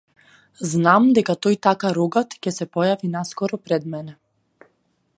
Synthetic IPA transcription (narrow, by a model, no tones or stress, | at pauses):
znamd̪ɛkat̪ɔjt̪akaɾuɡat̪cɛsɛpɔjavinaskɔɾɔpɾɛd̪mɛnɛ